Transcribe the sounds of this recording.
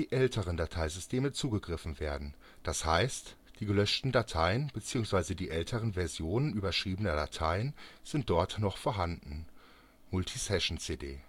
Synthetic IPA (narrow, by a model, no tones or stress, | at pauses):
d̥iːʔɛltʰəʁəndatʰaɪzʏstʰeːmət͡suːɡəɡʁɪfn̩veːɐdn̩ | d̥ashaɪstd̥iːɡəlœʃtn̩datʰaɪənb̥ət͡siːʊŋsv̥aɪzədiːʔɛltʰəʁənvɛɐzjoːnənʔyːbɐʃʁ̥iːbənɐdatʰaɪənz̥ɪnt̚d̥ɔɐtnɔχfoɐɦandn̩ | mʊltʰisɛʃn̩t͡seːdḛː